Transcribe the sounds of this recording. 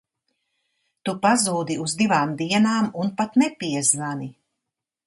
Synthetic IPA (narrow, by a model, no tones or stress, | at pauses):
t̪upazuːd̪iuzd̪ivaːmd̪iɛnaːmunpat̪nɛpiɛznani